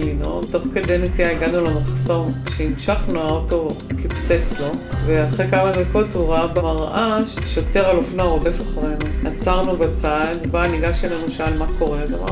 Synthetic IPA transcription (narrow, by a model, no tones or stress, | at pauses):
lino̰t̪oχked̪ejnesijaiɡanulamaχso̞ʁʃeimʃaχnuaoto̞kipt͡set͡slo̞veaχekamaveko̞thuʁaabamaʁʔaʃʃot̪eʁalofnoaodefaχaʁenuat͡saʁnubat͡sad̪baniɡaʃelenuʃealmakʰo̞ʁezema̰